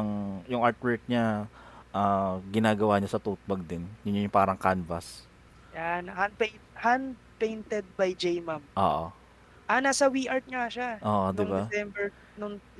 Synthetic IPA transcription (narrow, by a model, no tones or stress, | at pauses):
ɐŋjʊŋʔaɹt̪wɛɹk̚ɲaʔaɡɪnaːɡɐwaːɲɐsɐt̪uːt̪̚bɐɡ̚d̪ɪnjʊnʊjʊŋpaːɾɐŋkanvɐs | janhand̪̚pej̪hand̪ | pejnt̪ɛd̪̚bajd͡ʒejmamʔoːʔo | ʔɐnaːsɐwiʔaɹt̪̚ɲaʃaʔoːʔond̪ɪŋbasɛmbɛɹ | nʊŋ